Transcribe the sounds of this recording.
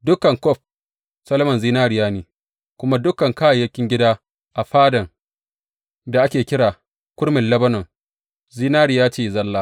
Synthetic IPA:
dʊ˦kɐ˨ŋkɔ˦˨ɸ | sɐ˦lɐ˦mɐ˨nziː˦naː˦ɾɪ˨jaː˦neː˨ | kʷʊ˦ma˦dʊ˦kɐ˨ŋkaː˦ja˨jɐ˦kʲɪ˦ŋɡʲɪ˦daː˦ | ʔa˨ɸaː˦dɐ˨ŋ | da˨ʔa˦kʲeː˨kʲɪ˦ɽaː˨ | kʷʊ˦ɽmɪ˨lɐ˦bɐ˦nɐ˨ŋ | ziː˦naː˦ɾɪ˨jaː˦t͡ʃeː˦˨zɐ˦lːaː˦

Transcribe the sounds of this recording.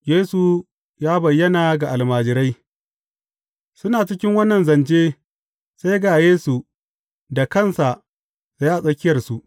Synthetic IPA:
jeː˦su˨ | jaː˦bɐ˨jːɐ˦naː˨ɡa˨ʔa˨lmaː˨d͡ʒɪ˨ɾa˦j | sʊ˦naː˨t͡ʃɪ˦kʲɪ˦ŋwɐ˦nːɐ˨nzɐ˨nd͡ʒeː˦ | sa˦jɡaː˨jeː˦su˨ | da˨kɐ˦˨nsa˨ | sa˦jʔa˨sʼɐ˦kʲɪ˦jɐ˨rsu˨ʔ

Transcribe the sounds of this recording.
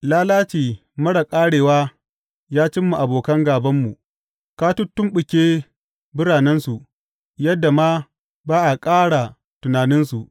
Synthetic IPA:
laː˦laː˦t͡ʃiː˨ | mɐ˦ɽa˨kʼaː˦ɽeː˨waː˦ | jaː˦t͡ʃɪ˦mːu˨ʔa˨boː˨kɐ˦ŋɡaː˨bɐ˦mːu˨ | kaː˦tʊ˦tːʊ˦mɓʊ˨kʲeː˦ | bʊ˦ɽaː˨nɪ˦nsu˨ʔ | jɐ˦dːa˨maː˦ | baː˦ʔa˨kʼaː˦ɽa˨ | tʊ˨naː˨nɪ˦nsu˨ʔ

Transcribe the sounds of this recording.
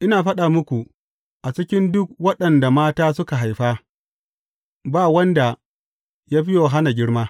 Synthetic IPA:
ʔɪ˦naː˨ɸɐ˦ɗaː˨mʊ˦kʷu˨ | ʔa˨t͡ʃɪ˦kʲɪ˦ndʊ˦k̚wɐ˦ɗɐ˨nda˨maː˦taː˦sʊ˦ka˨ɦa˨jɸaː˦ | baː˦˨wɐ˦nda˨ | jaː˦ɸɪ˦joː˨ɦa˦na˨ɡʲɪ˦ɽmaː˦

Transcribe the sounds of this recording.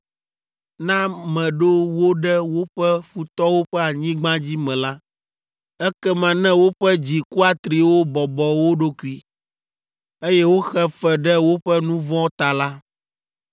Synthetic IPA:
nã˦mɛ̃˨ɖo˦wo˦ɖɛ˦wo˦ɸɛ˦fu˨t̪ɔ˦wo˦ɸɛ˦a˨ɲĩ˦ɡ͡bã˦d͡ʑi˦mɛ̃˨la˦ | ɛ˦kɛ˦mã˨nɛ̃˦wo˦ɸɛ˦d͡ʑi˨ku˦a˨t̪ɾi˨wo˦bɔ˨bɔ˨wo˦ɖo˦ku˦i˦ | e˦jɛ˦wo˦xɛ˦fɛ˨ɖɛ˦wo˦ɸɛ˦nũ˦vɔ̃˦t̪a˨la˦

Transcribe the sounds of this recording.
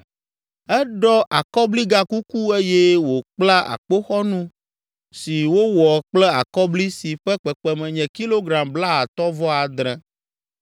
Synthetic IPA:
ɛ˦ɖɔ˦ʔa˨kɔ˦bli˦ɡa˦ku˦ku˦e˦jɛ˦wo˨k͡pla˦ʔa̰˨k͡po˦xɔ˦nũ˦ | si˨wo˦wɔ˨k͡plɛ˦a˨kɔ˦bli˦si˨ɸɛ˦k͡pɛ˨k͡pɛ˦mɛ̃˨ɲɛ̃˨ki˦lo˦ɡɾa˨mbla˦a˨t̪ɔ˦vɔ˦a˨d̪ɾɛ̃˨

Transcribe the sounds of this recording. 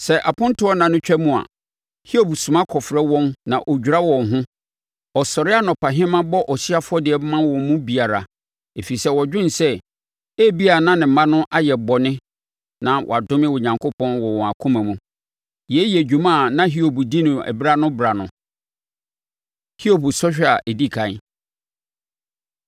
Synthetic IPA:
sɛ˨ʔa˨pʰʊ̃˦n˦tʰʊ˦ɔ˦nã˨nʊ̃˦t͡ɕᶣɛ˦mũ˦a̰˨ | hi˦o˨bu˨sũ˨mã˦kʰɔ˨fɾɛ˦wɔ̃˦nnã̰˨ʔo˨d͡ʑᶣu˨ɾa˦wɔ̃˨nɦʊ̃˦ | ɔ˨sɔ˨ɾɪ˦a˦nɔ˨pa˨ɦɪ̃˦mã˦bɔ˦ʔɔ˨si˦a˦fʊ˦ɔ˦dɪ˨ɛ˨˦mã˦wɔ̃˨˦mũ˦bi˨a˨ɾa˨ | e˨fi˨i˨sɛ˦wɔ˨d͡ʑᶣɪ̃˦n˨sɛ˦ | e˦bi˦a˨nã˦nɪ̃˨m̩˨mã˦nʊ̃˦ʔa˦jɛ˨bɔ˨nɪ̃˦ | nã˨wʔɔ̰˨a˨dʊ̃˦mɪ̃˦wʊ˨ɲã˨ŋkʰo˦pɔ̃˦nwɔ˨wɔ̃˨a˨kʰʊ̃˦mã˨mũ˨ | jɛ˨˦jɛ˨d͡ʑᶣu˨mã˦˨nã˦ɦi˦o˨bu˨di˦nʊ̃˨ɛ̰˨bɾa˦nʊ̃˦bɾa˨nʊ̰̃˨ | hi˦o˦bu˨sɔ˦ɕᶣa˨ʔɛ˨di˦kʰã˨˦

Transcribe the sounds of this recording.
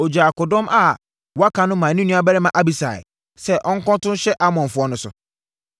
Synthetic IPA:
o˨d͡ʑa˨kʊ˨dʊ̃˦mʔa˨ | wɔ˨˦a˦kʰã˨nʊ̃˦mã˨nĩ˦nũ˦a˨bɛ˦ɾɛ˦mã˨ʔa˦bi˨sa̰˨ɪ̰˨ | sɛ˦ʔɔ˦ŋ̩˦kɔ̃˦tʊ̃˦n˦ɕɛ˦ʔa˦mɔ̃˨ɱ˨fʊ˨ɔ˦nʊ̃˦sʊ̰˨

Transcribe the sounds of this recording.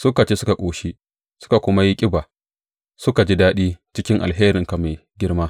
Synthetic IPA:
sʊ˦ka˨t͡ʃeː˦sʊ˦ka˨kʷʼoː˨ʃi˦ | sʊ̥˦ka˨kʷʊ˦ma˦ji˦kʲʼɪ˦baː˨ | sʊ˦ka˨d͡ʒi˦daː˦ɗiː˦t͡ʃɪ˦kʲɪ˦ŋʔa̰˨lɦeː˦ɾɪ˨ŋka˨me˨ɡʲɪ˦ɽmaː˦

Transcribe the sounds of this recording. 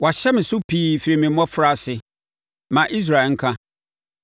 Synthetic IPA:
wa˨ɕɛ˦mɪ̃˨sʊ˦pʰiː˨˦fi˨ɾi˨mɪ̃˨˦ɔ̃˦fɾa˦˨sɪ˨ | mã˨ʔi˦s̬ɾa˨ŋ̩˦kʰã˦

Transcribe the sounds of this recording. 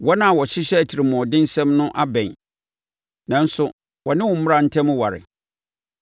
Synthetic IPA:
wɔ˦nã˨wɔ˨ɕɪ˦ɕᶣɛ˦æ˨tʰi˨ɾɪ˨mɔ̃˨dɪ̃˦n˦sɛ̃˦mnʊ̃˦ʔa˦bɛ̃˨ɲ | nã˨n̩˦sʊ˦ | wɔ˨nɪ̃˦wʊ̃˨m̩˦mʊ̃˦ɾa˨n̩˦tʰɛ̃˦mʊ̃˦wa˨ɾɪ̰˨

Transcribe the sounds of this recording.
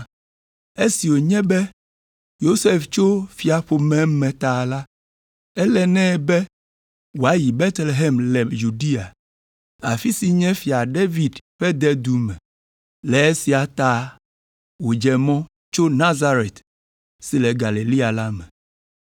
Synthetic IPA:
e˦si˨wo˨ɲɛ̃˦bɛ˦ | jo˦se˦ft͡ʃo˦fi˨a˨ɸo˨mɛ̃˦mɛ̃˨t̪a˨la˦ | ɛ˦lɛ˦˨nɛ̃˦bɛ˦ | wo˨a˦ji˨bɛ˦t̪le˨ɦe˦mlɛ˨ju˨ɖi˦a˨ | a̰˨fi˦si˨ɲɛ̃˦fi˨a˨ɖe˦vi˨dɸɛ˦d̪ɛ˦d̪u˨mɛ̃˨ | lɛ˨e˦si˨a˨t̪a˦ | wo˨d͡ʒɛ˨mɔ̃˦ | t͡ʃo˦nã˦za˦ɾe˨t̪ | si˨lɛ˨ɡa˨li˨li˦a˨la˦mɛ̃˨

